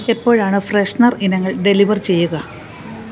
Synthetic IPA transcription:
e̞pːo̞ːɻaːɳɨfreʂɳɐrinɐŋːɐɭɖeliʋɐrt͡ɕe̞jːuɣɐ

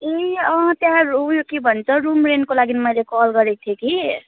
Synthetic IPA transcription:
eʌ̃t̪jãɾujokibʱʌnt͡sʰʌɾumɾenkolaɡinmʌjlekɔlɡʌɾek̚t̪ʰeki

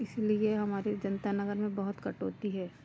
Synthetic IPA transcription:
ɪslieɦɐmaːɾed͡ʒɐnt̪anɐɡəɾmẽbɐɦʊt̪kɐʈɦoːt̪iɦɛː

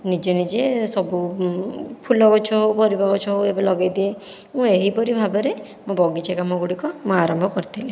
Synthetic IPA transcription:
nid͡ʒenid͡ʒesɔbu | pʰulɔɡɔt͡ʃʰɔɦopɔɾibʱɔɡɔt͡ʃʰɔɦoebɔlɔɡajd̪ie | mũeɦipɔɾibʱabɔɾe | mõbɔɡit͡ʃekamɔɡuɽikɔmũaɾɔmbʱɔkɔɾit̪ʰili

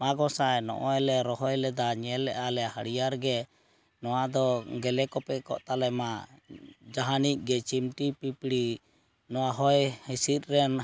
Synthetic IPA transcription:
maɡɔsajnɔ̰ʔɔɛlɛɾɔɦɔjlɛd̪aɲɛlːɛʔalɛhaɽijaɾɡɛ | nɔwad̪ɔɡɛlɛkɔpɛkɔʔt̪alɛma | d͡ʒaɦanic̚ˀɡɛt͡ʃimʈipipiɽi | nɔwaɦɔjhisit̪̚ˀɾɛn

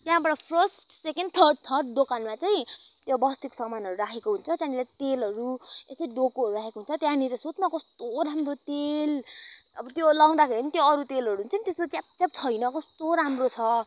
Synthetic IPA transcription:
t̪jãbʌʈʌpʰrʌsʈsekenɖt̪ʰʌrɖ̚t̪ʰʌrɖd̪okanmat͡saj̃ĩ | t̪jobʌst̪iksʌmanʌɾuɾakʰekoɦunt͡sʰʌt̪jãnilat̪elɦʌɾuesʌiɖokoɦʌɾuɾakʰekoɦunt͡sʰʌt̪jãnilʌsot̪nakost̪oɾamrot̪elʌbʌt̪jolaw̃d̪akʰeɾinit̪joʌɾut̪elɦʌɾut͡saĩt̪eskot͡sap̚t͡sap̚t͡sʰʌjnʌkost̪oɾamrot͡sʰʌ

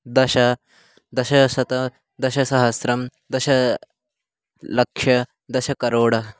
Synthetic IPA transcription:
d̪ɐʃɐ | d̪ɐʃɐsɐt̪ɐ | d̪ɐʃɐsɐɦɐsɾɐm | d̪ɐʃɐ | lɐkʂjɐ | d̪ɐʃɐkɐɾoːɽɐ

